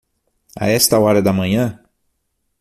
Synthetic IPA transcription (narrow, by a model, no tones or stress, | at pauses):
ɐ̰ɛst̪ɐɔɾɐd̪ɐmɐ̃ɲɐ̃